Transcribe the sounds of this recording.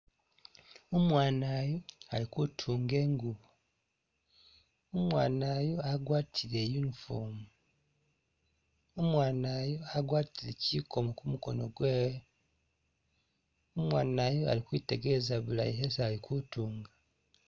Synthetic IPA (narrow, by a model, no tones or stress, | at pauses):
omwaːnaːjoalikutʰuːŋɡe̞ːŋɡuβu | omwaːnaːjo̞aɡwaːtʰiɾe̞junifomu | omwaːnaːjo̞aɡwaːtiɾeciːkʰo̞mokumuko̞no̞ɡweːwe | omwaːnaːjoa̰likwiːte̞ɡe̞zaβula̰iɦesːlikʰutuːŋɡa